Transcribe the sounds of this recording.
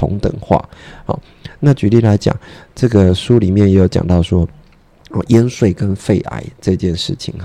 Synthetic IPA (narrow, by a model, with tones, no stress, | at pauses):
ʊ̰˧˦ŋt̪ə̰˨˩ŋxwa̰˥˩hɔ̰˨˩ | na˥˩t͡ɕy˧˥li˥˩la˧˥ɪt͡ɕjɑ̰˨˩˦ŋʈ͡ʂɤ˥˩ɡə˩ʂu˥li˨˩mjɛ˥˩njɛ˧˥jo˧˩ʊt͡ɕjɑ̰˨˩ŋt̪ɑ˥˩ʊʂwɔ˥ | ə˧˩ʔjɛ˥nʂwe˥˩ɪkə˦nfe˥˩ɪʔa̰˨˩˦ɪʈ͡ʂɤ˥˧t͡ɕjɛ˥˧nʂɻ̩˥˩t͡ɕʰḭ˨˩˦ŋ˩